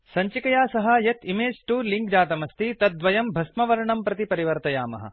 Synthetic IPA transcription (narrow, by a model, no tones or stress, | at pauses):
sɐɲt͡ʃikɐjaːsɐɦɐjɐt̪imeːd͡ʒʈuːɾliŋk̚d͡ʒaːt̪ɐmɐst̪it̪ɐt̪̚d̪ʋɐjɐmbʱɐsmɐʋɐɾɐɳɐmpɾɐt̪ipɐɾiʋɐɾt̪ɐjaːmɐ̰ɦɐ̰